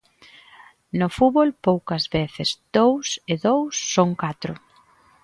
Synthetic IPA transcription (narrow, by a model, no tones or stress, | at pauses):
nʊfuβolpowkɐzβeθɪsd̪̥owseðowsːoŋkat̪ɾʊ̰